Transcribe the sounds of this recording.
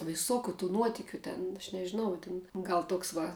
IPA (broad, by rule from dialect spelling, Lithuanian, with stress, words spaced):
ʋʲɪˈsoːkʲʊ tuː ˈnuɔtʲɪkʲʊ tʲɛn ɐʃ nʲɛʒʲɪˈnɐʊ tʲɪn ˈɡɐlˠ ˈtoːks ˈʋɐ